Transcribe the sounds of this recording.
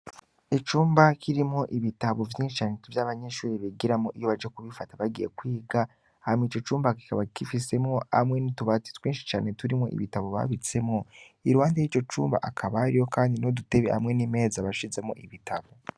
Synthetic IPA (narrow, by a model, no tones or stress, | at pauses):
it͡ʃuːmbakʰiɾimŋo̞ʔiβitaβovjiːʃi̥t͡ʃaːnetivjaːβaɲeʃuːɾiβiɡiɾamoʔijo̞βad͡ʒekuβifataβaɡije̞̰kwiːɡa | hamŋiːt͡ʃo̞t͡ʃuːmbaki̥kaβakifise̞mŋo̞a̰mŋe̞nituβati̥twiːnʃi̥t͡ʃaːne̞tuɾimo̞̰ʔḭβitaβoβa̰βit͡se̞mŋo̞ | iɾwaːndejit͡ʃo̞t͡ʃṵːmba̰ʔakʰaβaɾijo̞kaːndinodute̞βeha̰mŋe̞nime̞ːzaβaʃize̞mo̞̰ʔiβitʰaβo